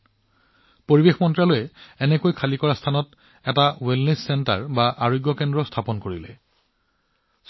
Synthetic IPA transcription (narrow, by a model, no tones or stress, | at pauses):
poɹibexmɔntɹalojɛɛnɛkojkʰalikɔɹastʰanɔt | ɛtawelnesːɛnta̰ɹbaʔaɹojɡjɔkɛndɹɔstʰapɔnkoɹilɛ